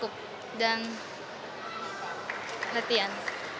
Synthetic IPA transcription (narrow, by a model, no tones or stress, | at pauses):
ʊp̚ | dan | lət̪ian